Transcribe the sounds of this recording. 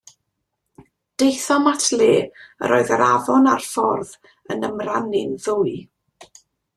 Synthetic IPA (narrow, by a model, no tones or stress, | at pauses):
d̥ejθɔmatʰleːə̰ɾo̰ːɨðəɾʔavɔnarfɔrð | ənəmranɪnðʊɨ